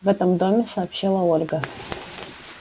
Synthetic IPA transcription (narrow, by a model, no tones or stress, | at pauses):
vɛt̪əmd̪omʲɪsɐːpɕːilˠəolʲɡə